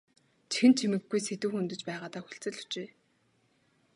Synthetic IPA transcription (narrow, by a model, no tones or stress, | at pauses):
t͡ɕʰi̥xɘ̆nt͡ɕʰimɘ̆ɡːujset̪uːxunt̪ɵ̆t͡ɕpæːʁaːt̪aːxu̥ɬt͡sɘ̆ɮu̥t͡ɕeː